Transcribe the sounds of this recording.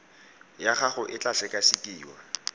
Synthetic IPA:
jaχaχʊʔɪt͡ɬʼaɬɛkʼasikʼiːwa̰

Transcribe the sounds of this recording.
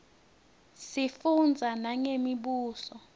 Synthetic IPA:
sifund͡zʱanaŋemiɓuːsɔ

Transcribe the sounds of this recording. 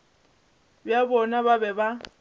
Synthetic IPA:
bjabɔnaβabɛba

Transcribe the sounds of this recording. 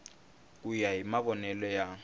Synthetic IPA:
k̬ʼujaɦimaβɔnɛlɔja

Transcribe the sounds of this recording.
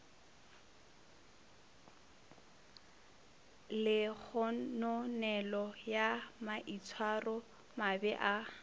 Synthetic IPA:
lɪk͡xʰɔnɔnɛlɔjamaʔit͡sʰwarɔ | mabɛʔa

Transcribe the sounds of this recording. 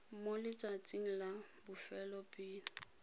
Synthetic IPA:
molɪt͡sʼat͡sʼiŋ̩labʊfɛlɔpʼɪːn̩

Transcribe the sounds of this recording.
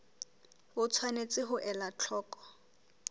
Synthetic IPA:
ʊt͡sʰwanet͡sʼɪɦʊʔɛlat͡ɬʰɔːkʼɔ̥

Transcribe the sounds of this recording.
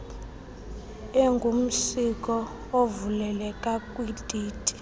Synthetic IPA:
eŋɡʱum̩sikʼɔ | ovulɛlɛkʼakʼwid̥ʱiːtʼi̥

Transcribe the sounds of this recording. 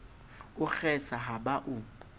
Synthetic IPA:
ʊxɛsaɦaɓaʔʊ

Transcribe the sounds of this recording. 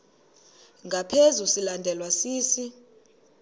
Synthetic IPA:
ŋɡʱapʰezusilandʱɛlwasiːsi

